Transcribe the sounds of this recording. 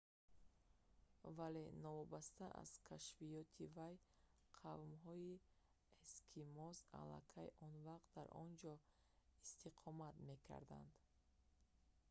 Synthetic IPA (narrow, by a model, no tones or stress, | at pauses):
vale̞nɔvɔbast̪aʔa̰z̥kʰaʃfijɔt̪ʰivaj | qʰavmɦɔi | eskʰimɔza̰la̰kʰajʔɔnvaq̚t̪̚d̪aɾʔɔnd͡ʒɔ | ist̪ʰiqʰɔmat̪me̞kʰa̰ɾd̪a̰nd̪